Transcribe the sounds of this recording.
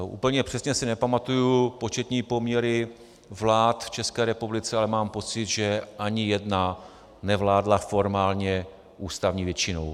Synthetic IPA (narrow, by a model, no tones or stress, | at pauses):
ʔṵːpl̩ɲɛpr̥ɛsɲɛsɪnɛpamat̪ujupo̞t͡ʃɛt̪ɲiːpo̞mɲɛɾɪ | vlaːt̪ft͡ʃɛskɛːɾɛpublɪt͡sɛalɛmaːmpo̞t͡sɪd̪ʒɛʔaɲɪjɛdna | nɛvlaːdlafo̞ɾmaːlɲɛ | ʔuːst̪avɲiːvjɛt͡ʃɪno̰w